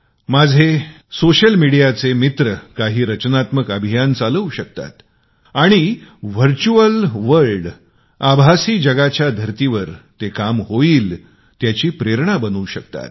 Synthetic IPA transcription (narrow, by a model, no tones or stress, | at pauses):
mad͡zʱe | soɕəlmiɽijat͡semit̪ɾəkaɦiːɾət͡ɕnat̪məkəbʱijant͡saləwɕək̚t̪a̰t̪ | aɽ̃iʋ̤əɾt͡ɕuəlʋəɾɭɖ | abʱasiːd͡ʑəɡat͡ɕjad̪ʱəɾt̪iʋəɾt̪ekamhoiːl | t̪jat͡ɕiːpɾeɾɳ̃abənuːɕək̚t̪a̰t̪̚